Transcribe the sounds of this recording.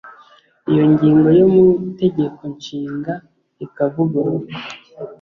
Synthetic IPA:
ijo̞ɲɟiːŋɡo̞jomute̞ɟe̞ko̞nʃiːŋɡa | ikavuɡa

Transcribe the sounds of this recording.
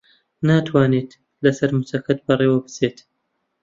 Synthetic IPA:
naːt̪ʰwaːniːt̪ | lɐsɐɾmʊsɐkɐt̪̚bɐrewɐbɨt͡seːt̪

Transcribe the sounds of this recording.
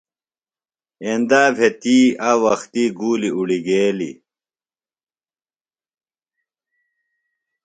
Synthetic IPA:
end̪aːbʱet̪iːawɐxt̪iːɡuːliuɽiɡeːlḭ

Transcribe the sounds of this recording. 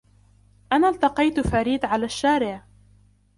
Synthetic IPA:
ʔanaːlt̪ɑqɑjt̪faɾiːd̪ʕalaːʃːaːɾɪʕ

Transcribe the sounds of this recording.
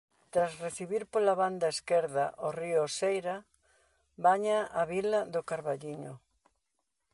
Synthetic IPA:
t̪ɾasreθiβiɾpolaβand̪ɐeskɛɾða̰ʔoriʊosejɾa | baɲaaβilaðʊkaɾβaʎiɲʊ

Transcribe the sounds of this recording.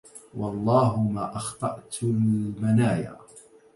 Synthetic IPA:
wɑlˤːɑːɦʊmaːʔɑxt̪ˤɑʔt̪ʊlmanaːja̰ː

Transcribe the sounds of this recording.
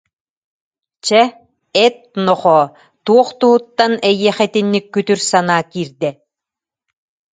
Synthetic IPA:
t͡ɕɛ | ɛt̪̚nɔχɔː | t̪uɔχt̪uɦut̪ːanɛjiɛχɛt̪inːikːyt̪yɾsanaːkiːɾd̪ɛ

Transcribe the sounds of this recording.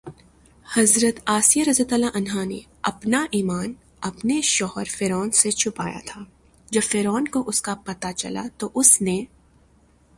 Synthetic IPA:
hɐzɾət̪aːsijəɾɐzɐt̪aːlaʔɐnɦanḛ | ɐpnaʔiːmaːn | ɐpneʃɔːɦəɾfeːɾɔːnset͡ʃʰʊpa̰ːja̰t̪ʰaː | d͡ʒɐbfeːɾɔːnkoʔʊskapɐt̪at͡ʃɐ̰la̰t̪oʔʊsne

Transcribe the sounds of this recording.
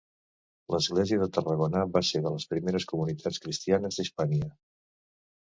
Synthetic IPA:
ləzɣleziəðət̪ərəɣonaβaseðələspɾimeɾəskumunit̪ʰat͡skɾist̪ianəzðəspaɲə

